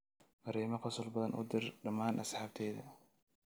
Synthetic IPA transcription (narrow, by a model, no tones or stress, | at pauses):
mɑɾɛːmɐqɑsɔlbɐðɐnʔʊ̰d̪ɪrɖɐmaːnʔɐsħɑːb̚t̪ʰɛːjðɐ̰